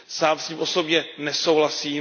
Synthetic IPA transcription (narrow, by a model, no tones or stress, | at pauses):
saːmsiːmʔo̞so̞bɲɛnɛso̞wɦlasiː